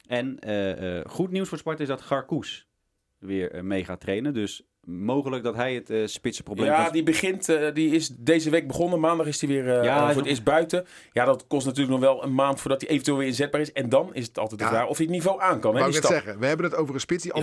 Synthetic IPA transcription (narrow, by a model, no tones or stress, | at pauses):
ɛnə̰χutniwsfʊːɹspɑɹtɪzdɑtχɑɹkus | ʋɪːɹmejχa̰ːtrejnədøs | mowχələk̚dɑtɦɛjətspɪtsə̥prowbleadibəχɪntdiɪsdejzəʋejk̚bəχɔnəmaːndɑχɪsdiʋɪːɹɪsbœɥtə | jadɑtkɔstnat̬yːləknɔχʋɛlˠənmaːntfʊːɹdɑtdiʔevntʋeːlˠʋɪːɹɪnzɛd̚baːɹɪsɛndɑnɪs̬ətɑ̰lˠtɛjtdədaːɔfiətnivowʔaːnkɑnɛdistɛəʋəɦɛbənətowvərənspɪtsdi